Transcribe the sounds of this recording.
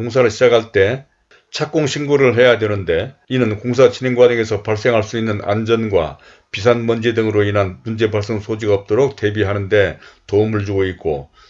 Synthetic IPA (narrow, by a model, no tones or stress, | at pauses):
oŋsʰaɾɯɭɕʰid͡ʑakʰaɭt͈e̞ | t͡ɕʰak͈oŋɕʰinɡoɾɯɭɦe̞jadenɯnde̞inɯnkoŋsʰat͡ɕineŋɡwadɯŋe̞sʰʌpaɭs͈e̞ŋɦaɭs͈uinːɯna̰nd͡ʑʌnɡwa̰ | pis̬ʰanmʌnd͡ʑe̞dɯŋɯɾoinɦanmund͡ʑe̞baɭs͈ʌŋsʰod͡ʑiɡaʌp̚t͈oɾok̚te̞biɦanɯnde̞toumɯɭd͡ʑuɡoik͈̚o